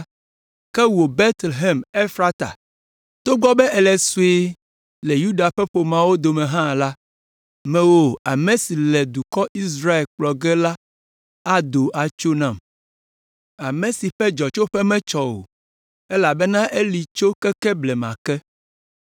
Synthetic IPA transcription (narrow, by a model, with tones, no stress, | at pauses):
kɛ˦wo˨bɛ˦t̪le˨ɦɛ˨me˦fɾa˦t̪a̰˨ | t̪o˦ɡ͡bɔ˦bɛ˦ʔɛ˨lɛ˨su˦e˦ | lɛ˨ju˦ɖa˨ɸɛ˦ɸo˨mã˦wo˦d̪o˨mɛ̃˨ɦã˦˨la˦ | mɛ̃˨˦wo˦a˨mẽ˨si˨lɛ˨d̪u˨kɔ˦ʔi˦s̬ɾa˦e˨lk͡plɔ˨ɡɛ˦la˦ | a˦d̪o˨ʔa˨t͡ʃo˦nã˦˨m | a˨mɛ̃˨si˨ɸɛ˦d͡ʒɔ˨t͡ʃo˦ɸɛ˦mɛ̃˦t͡ʃɔ˨wo̰˨ | ɛ˦la˨bɛ˦nã˦ʔe˦li˨t͡ʃo˦kɛ˦kɛ˦blɛ˨mã̰˨kɛ˦